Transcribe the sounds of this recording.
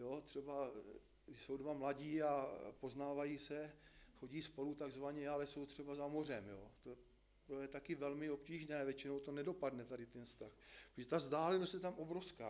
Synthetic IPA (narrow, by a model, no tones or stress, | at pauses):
jot̪r̥ɛba | so̞wdvamlaɟiːapo̞znaːvajiːsɛxo̞ɟiːspo̞lut̪aɡzvaɲɛalɛso̞wt̪r̝̥ɛbazamo̞r̝ɛmjo̰ːt̪o | pɾojɛt̪akɪvɛlmɪo̞pciːʒnɛːvjɛt͡ʃɪnowt̪o̞nɛdo̞padnɛt̪adɪt̪ɛnst̪axppɾoʒɛt̪azdaːlɛnost̪jɛt̪amʔo̞bɾofska̰ː